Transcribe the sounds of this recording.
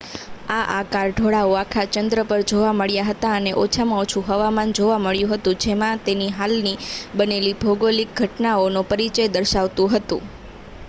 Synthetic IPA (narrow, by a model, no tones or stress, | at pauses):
aʔakaɾɖʱoɭaoakʰat͡ʃənd̪ɾəpəɾd͡ʒoʋaməɭjaɦət̪aəneʔot͡ʃʰamãot͡ʃʰũɦəʋamand͡ʒoʋaməɭjũɦət̪ũd͡ʒemãt̪eniɦalnibənelibʱoɡolik̚ɡʱəʈnaonũpəɾit͡ʃəjd̪əɾʃaʋt̪ũɦət̪ṵ̃